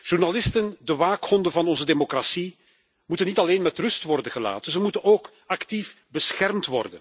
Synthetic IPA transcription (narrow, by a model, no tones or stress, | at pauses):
ʒ̥urnalɪstəndəʋaːkhɔndəvɑnɔnzədeːmokrasi | mutənːitɑleːnmɛtrʏstʋɔrdəɣəla̰ːtəzəmutənoːk | ɑktif | bəsxɛrmtʋɔ̰rdə̰n